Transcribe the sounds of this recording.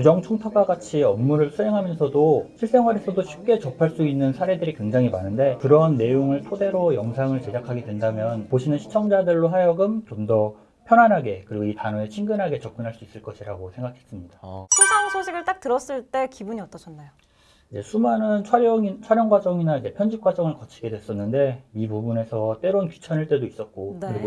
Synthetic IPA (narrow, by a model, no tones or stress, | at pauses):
kud͡ʑʌŋt͡ɕʰoŋtʰaɡwaɡat͡ɕʰiʌmːuɾɯɭsʰuɦe̞ŋɦamjʌnsʰʌdoɕʰiɭs͈e̞ŋwaɾesʰʌdoɕʰip̚k͈e̞t͡ɕʌpʰaɭs͈uinːɯnsʰaɾe̞dɯɾikwe̞ŋd͡ʑaŋimanɯnde̞kɯɾʌnːe̞joŋɯɭtʰode̞ɾojʌŋsʰaŋɯɭt͡ɕe̞d͡ʑakʰaɡedwendamjʌnpoɕʰinɯnɕʰi̥t͡ɕʰʌŋd͡ʑadɯɭːoɦajʌɡɯmt͡ɕomdʌ | pʰjʌnɦanɦaɡe̞kɯɾiɡoitanʌet͡ɕʰiŋɡɯnɦaɡe̞t͡ɕʌk͈ɯnɦaɭs͈uis͈ɯɭk͈ʌɕʰiɾaɡosʰe̞ŋɡakʰe̞s͈ɯmɲidaesʰaŋsʰoɕʰiɡɯɭt͈ak̚tɯɾʌs͈ɯɭt͈e̞kibuɲiʌt͈ʌt͡ɕʰʌnːajo | id͡ʑe̞sʰumanɯnt͡ɕʰaɾʌit͡ɕʰwaɾjʌŋɡwad͡ʑʌŋinaid͡ʑe̞pʰjʌnd͡ʑip̚k͈wad͡ʑʌŋɯɭkʌt͡ɕʰiɡe̞dwes͈ʌnːɯnde̞ipubune̞sʰʌt͈e̞ɾonku̥t͡ɕʰʌniɭt͈e̞dois͈ʌt̚k͈okɯɾiɡo